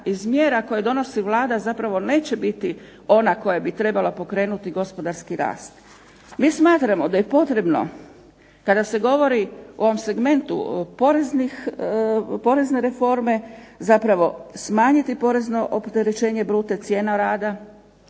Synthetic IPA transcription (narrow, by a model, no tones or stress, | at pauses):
izmjeːɾako̞jed̪o̞no̞siʋlˠaːd̪azapɾaʋo̞ne̞ːt͡ɕe̞bit̪i | o̞nako̞jabit̪ɾe̞balapo̞kɾe̞ːnut̪iɡo̞spo̞d̪aɾskiɾa̰ːst̪ | miːsmaːt̪ɾamo̞d̪aje̞po̞t̪ɾe̞bno̞̰ | kad̪ase̞ɡo̞ʋo̞ɾiuo̞ʋomse̞ɡme̞nt̪ṵpo̞ɾeznix | po̞ɾe̞zne̞ɾe̞fo̞ɾme̞zapɾaʋo̞smaːɲit̪ipo̞ɾe̞zno̞ʔopt̪e̞ɾet͡ʃe̞ːɲe̞bɾuːt̪e̞t̪sje̞ːnaɾaːd̪a